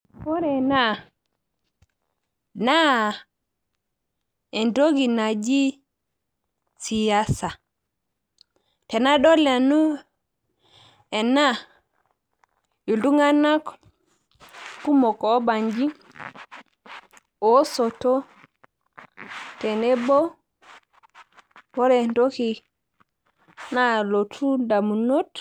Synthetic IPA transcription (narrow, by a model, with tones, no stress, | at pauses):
po˦ɾe˨na˦ | na˦ | e˨ndo˦ɡi˨na˨d͡ʒi˦ | si˨ja˦sa˨ | te˨na˦ɗo˦le˨nu˦ | e˨na˦ | ju˨ldu˦ŋɡa˦na˦k | ku˦mɔ˨kɔ˨˦ba˨ɲd͡ʒi˦ | o˦so˨to˦ | tɛ˨nɛ˦bɔ˦ | wɔ˦ɾɛ˨nto˦ki˨ | na˦lo˨tʰu˦da˨mu˨no˦t